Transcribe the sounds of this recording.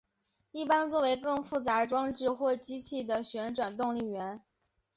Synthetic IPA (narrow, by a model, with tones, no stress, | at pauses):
i˥˩pa˥nt͡swɔ˥˩we˧˥ɪkɤ˥˧ŋfu˥˩t͡sa˧˥ʈ͡ʂwɑ˥ŋʈ͡ʂɻ̩˥˧xwɔ˥˩t͡ɕi˥t͡ɕʰi˥˩d̪ə˩ɕɥɛ˧˥nʈ͡ʂwa˨˩nt̪ʊ˥˧ŋli˥˩ɥɛ˧˥n